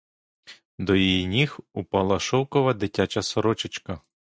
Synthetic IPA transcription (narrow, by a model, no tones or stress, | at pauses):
d̪ɔjijinʲixupɑlˠɐʃɔwkɔʋɐd̪ɪtʲat͡ʃɐsɔɾɔt͡ʃɪt͡ʃkɐ